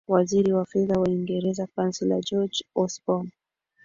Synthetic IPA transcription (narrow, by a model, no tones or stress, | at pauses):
waziɾiwafɛðawaiŋɡɛɾɛzakansila̰d͡ʒɔd͡ʒɔsbɔm